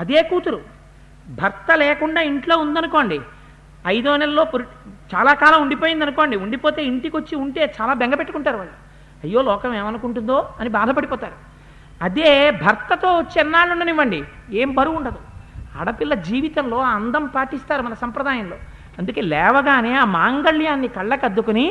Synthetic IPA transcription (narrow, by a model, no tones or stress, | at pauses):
ɐd̪eːkuːt̪uɾu | bʱɐɾt̪ɐleːkuɳɖaːiɳʈlo̞ːund̪ɐnuko̞ːɳɖi | ɐjd̪oːnɛllo̞ːpuɾt͡ʃaːlaːkaːlɐmuɳɖipo̞ːjind̪ɐnukoːɳɖiuɳɖipoːt̪e̞ːiɳʈikot͡ʃːiuɳʈe̞ːt͡ʃaːlaːbeŋɡɐpeʈːukuɳʈaːɾuʋɐːɭːu | ɐjːo̞ːlɔːkɐmeːmɐnukuɳʈund̪o̞ːɐnibaːd̪ʱɐpɐɽipɔːt̪aːɾu | ɐd̪eːbʱɐɾt̪ɐt̪o̞ːot͡ʃːiɛnːaːɭːuɳɖɐniʋːɐɳɖieːmbɐɾuuɳɖɐd̪uɐɽɐpilːɐd͡ʒiːʋit̪ɐmlo̞ːɐnd̪ɐmpaːʈist̪aːɾumɐnɐsɐmpɾɐd̪aːjɐmlo̞ː | ɐnd̪uke̞ːlɛːʋɐɡaːneːaːmaːŋɡɐɭjaːnːikɐɭːɐkɐd̪ːukuni